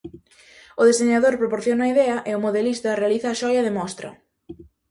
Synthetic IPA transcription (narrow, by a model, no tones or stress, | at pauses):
ʊðesðeɲaðoɾpɾopoɾθjonɐːiðɛɐʔeʊmoðelist̪ɐrealiθɐːʃɔjɐðɪmɔst̪ɾɐ̰